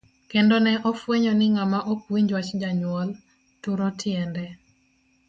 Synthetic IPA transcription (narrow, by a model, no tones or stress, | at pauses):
kendɔnɛʔɔfweɲɔnɪŋamaʔopwiɲd͡ʒwat͡ʃd͡ʒaɲwɔl | tʊɾɔtʰjɛndɛ